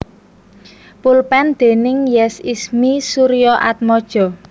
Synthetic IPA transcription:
pulpɛnd̪̥e̤nɪŋjɛsismisuɾijɔʔat̪̚mɔd̥ʒ̥ɔ̤

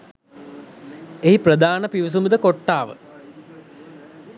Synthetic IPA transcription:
eɦiprəd̪aːnəpiʋis̬umud̪əkoʈːaːʋə̰

